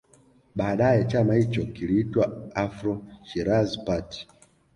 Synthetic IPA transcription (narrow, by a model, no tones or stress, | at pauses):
ɓaːɗajɛt͡ʃamahit͡ʃɔkiliitwaafɾɔʃiɾazpati̥